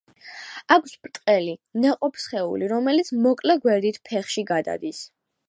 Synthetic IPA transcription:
akʰspʼt̪ʼqʼɛlinɛqʼɔpʰsχɛṵliɾɔmɛlit̪sʰmɔkʼlɛɡwɛɾd̪it̪ʰpʰɛχʃiɡad̪a̰d̪is

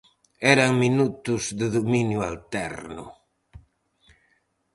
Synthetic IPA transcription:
ɛɾɐŋminut̪ʊzðɪðominjʊalt̪ɛ̰ɾnʊ̰

